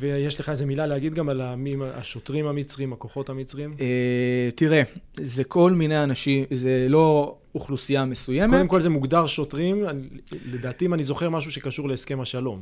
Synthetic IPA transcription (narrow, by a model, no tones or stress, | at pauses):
vejeʃleχaezemilalehaɡid̪ɡamalamimaa̰ʃo̞t̪ʁimamit͡sʁiimako̞χo̞t̪amit͡sʁiimet̪iʁezekʰo̞lminejanaʃimzelo̞ | uχlusiamesujemeeemko̞lzemuɡd̪aʁʃo̞tʁimanle̞d̪aːt̪iːmanizo̞χe̞ʁmaʃ̬uʃe̞kaʃuʁleːske̞maʃalo̞m